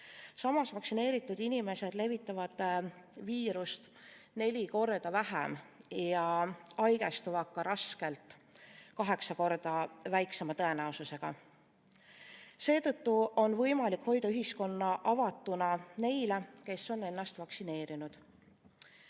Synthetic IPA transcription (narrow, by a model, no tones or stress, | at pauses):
sɑmɑsvɑksine̞ːɾit̪ˑːud̪̥inime̞se̞d̪̥le̞vit̪ːˑɑvɑd̪̥ | viːɾust̪ | ne̞lʲiko̞rd̪̥ɑvæɦḛmjɑɑjɡ̥e̞st̪uvɑkːɑɾɑske̞lt̪ˑ | kɑɦe̞ksɑko̞rd̪̥ɑvæjksemɑt̪ɤe̞næususe̞ɡ̥ɑ | se̞ːt̪ɤt̪ːuo̞nvɤjmɑlikho̞jd̪ɑyɦisko̞nːɑʔɑvɑt̪ːˑunɑne̞jleke̞sːo̞ne̞nːɑst̪vɑksine̞ːɾinud̪̥